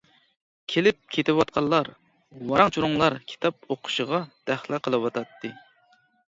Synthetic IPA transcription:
kʲʰelɪp̚kʲʰet̪ɪwɑt̪̚qʰɑlˠːɑɾ | wɑɾɑŋt͡ʃʰuɾʊŋlˠɑɾkʲʰi̥t̪ʰɑp̚oqʰʊ̥ʃəʁɑd̪̥æχlˠɪqʰəlˠɨwɑt̪ʰɑt̪ʰːɨ

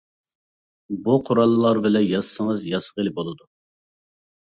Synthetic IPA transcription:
buqʰʊɾɑlˠːɨlˠɑɾbɪlɛnjɑzsəŋəzjɑsəʁelɪbolˠɨd̪u

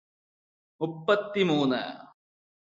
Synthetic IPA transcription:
mupːɐt̪ːimuːnːɨ̰

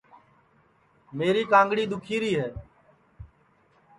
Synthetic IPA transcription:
meːɾiːkãːŋɡɽiːd̪ʊkʰiːɾiːɦɛː

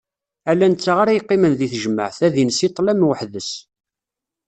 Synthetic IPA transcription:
ælːænt͡sːaʁaɾæjqːimənðiθʒəmːə̰ʕθæðinsit̪ˤːlæmwəħðəs

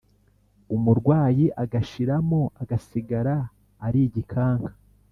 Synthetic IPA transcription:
umuɾɡwaːjiʔaɡaʃiɾamoʔaɡasiɡaɾaː | ɾiɟikʰaːŋkḁ

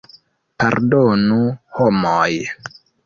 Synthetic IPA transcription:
paɾdonuhomoj

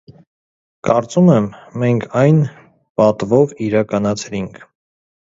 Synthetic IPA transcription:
kɑɾt͡sumɛmːɛŋkʰɑjn | pɑt̪vɔviɾɑkɑnɑt͡sʰɾiŋkʰ

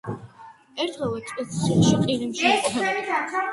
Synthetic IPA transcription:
ɛɾt̪ʰʁɛlˠɛt̪ʼɛʃɔqʼiɾimʃɛɛ

